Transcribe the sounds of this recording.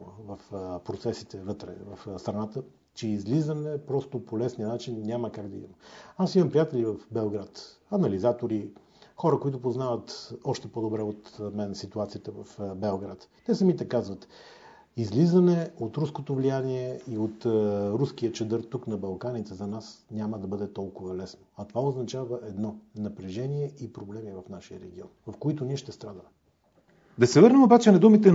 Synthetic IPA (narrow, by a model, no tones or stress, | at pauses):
vəfpɾot̪sɛsit̪ɛvɤt̪ɾɛ̰vɐfst̪ɾɐnat̪ə | t͡ʃɛizlizənɛpɾɔst̪opolɛsnijənat͡ʃinːʲaməkaɡd̪ɐḭməasimɐmpɾijat̪ɛlivɐfbɛlˠɡɾat̪ | ɐnɐlizat̪oɾi | xɔɾəkoit̪ʊpoznavət̪ɔʃt̪ɛpod̪obɾɛot̪mɛnsit̪uat̪sijət̪əvɐfbɛlˠɡɾat̪ːɛsəmit̪ɛkazvət̪ | izlizɐnɛot̪ɾuskot̪ovlijaniɛiot̪ɾuskijət͡ʃɛd̪əɾt̪ːuknɐbɐlˠkanit̪ɛzɐnasnʲaməd̪ɐbɤd̪ɛt̪ɔlˠkʊvɐlɛsnoɐt̪ovaoznɐt͡ʃavəʔɛd̪nɔnɐpɾɛʒɛniɛʔipɾoblɛmivɐfnaʃijəɾɛɡ̟iɔnvɐfkoit̪ʊniɛʃt̪ɛst̪ɾad̪əmɛ | d̪ɐsɛvɤɾnɛmobat͡ʃɛnɐd̪umit̪ɛ